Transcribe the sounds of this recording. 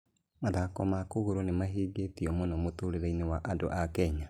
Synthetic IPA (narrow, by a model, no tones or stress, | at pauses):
maðakomakoɣuɾonemaɦiːɡetiomonomotuɾeɾainewaʔado̰ʔakɛɲa